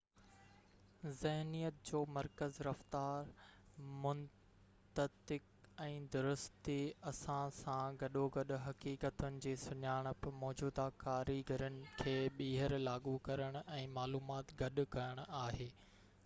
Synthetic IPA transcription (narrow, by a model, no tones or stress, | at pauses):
zɪɦnijət̪̚d͡ʑoːmɐɾkəzɾɐft̪aːɾ | mʊn | t̪ət̪ɪk | ɛ̃ːd̪ʊɾʊst̪iɐsãsãɡɐɗoɡɐɗʊ̆ɦɐkiːkət̪ʊnɪ̆d͡ʑeːsʊɲaːɽ̃ʊ̆pɐmɔːd͡ʑuːd̪akaːɾiɡʱɐɾənɪ̆kʰeːɓiːɦəɾlaːɡukɐɾəɽ̃ʊɛ̃ːmaːluːmaːt̪ɡɐɗʊ̆kɐɾəɽ̃aːɦeː